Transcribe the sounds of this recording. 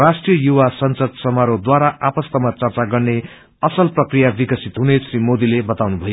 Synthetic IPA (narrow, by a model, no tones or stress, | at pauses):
rasʈrijʌjuwasʌnsʌd̪sʌmaɾod̪waɾaʔapʌst̪ʌmat͡sʌrt͡saɡʌrne | ʌsʌlprʌkrijabikʌsit̪ɦunesrimod̪ilebʌt̪awnubʱʌjo